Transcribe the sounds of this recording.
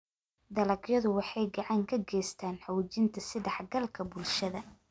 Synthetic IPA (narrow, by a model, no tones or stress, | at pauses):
d̪ɐlɐɡjɐðʊwɑħɑjɡɑʕɑŋkʰɐɡɛːjst̪ʰaːnħɑwt͡ʃɪnt̪ʰɐsɪðɑħɡɐlkʰɐbʊlʃɐðɐ